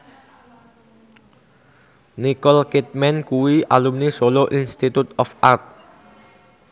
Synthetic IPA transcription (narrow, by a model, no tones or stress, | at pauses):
nikɔlkɪt̪̚mɛnkuwiʔalumnisoloʔinst̪it̪ut̪ɔfart̪̚